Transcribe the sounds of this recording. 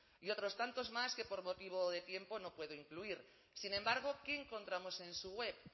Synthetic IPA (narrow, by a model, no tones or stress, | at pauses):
io̞t̪ɾo̞st̪ant̪o̞zmaske̞po̞ɾmo̞t̪iβ̞oðe̞t̪je̞mpo̞no̞pwe̞ð̞oiŋkluiɾ | sinẽ̞mbaɾɣ̞o̞keːŋko̞nt̪ɾamo̞se̞nsuɣwe̞p